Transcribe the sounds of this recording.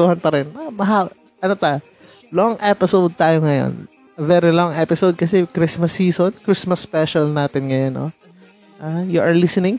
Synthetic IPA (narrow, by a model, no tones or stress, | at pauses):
uhɐnpɐɾɛnamɐɦa | ʔɐnot̪aj | loŋʔɛpɪsowd̪̚t̪aːjoŋɐjo̰n | ɐvɛɾiloŋɛpɪsowd̪̚kɐsɛkɾismɐsːiːsonkɹismɐspɛʃɐlnaːt̪ɪnŋɐjonʔo̰ | ʔaːjʊʔɐɹlɪsɛnɪŋ